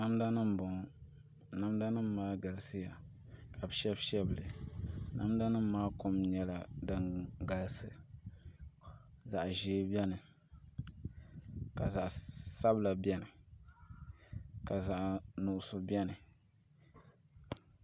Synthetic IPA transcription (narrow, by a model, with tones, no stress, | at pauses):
na˦mda˦nɨ˦m˨bʊ˨ŋ˨ | na˦mda˦nɨ˦mː˦aː˦ɡa˨lsɨ˦ja˨ | ka˨bɨ˨ʃɛ˦bʃɛ˦blɨ˨na̰˦mda˦nɨ˦m˦maː˦ko˦mɲɛ˨la˨dɨ˨˦ŋɡa˨lsɨ˨ | za˨ʔʒeː˦bɛ˦nɨ˨ | ka˨za˨ʔsa˦bla˨bɛ˦nɨ˨ | ka˨za˨ʔnu˨ʔʊ˨sʊ˨bjɛ˦nɨ˨